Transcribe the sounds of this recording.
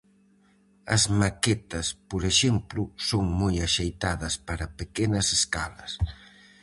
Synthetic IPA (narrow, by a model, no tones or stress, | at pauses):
ɐ̰zmakɛt̪ɐspoɾeʃɛmplʊsoŋmojɐʃejt̪aðɐspaɾɐpekɛnɐseskalɐs